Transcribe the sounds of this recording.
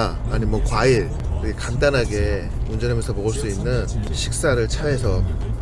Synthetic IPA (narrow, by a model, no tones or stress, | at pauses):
ɲimwʌkwaiɾ | kɯɡekandanɦaɡe̞ | und͡ʑʌnɦamjʌnsʰʌmoɡɯɭs͈uinːɯnɕʰik̚s͈aɾɯɭt͡ɕʰae̞sʰʌ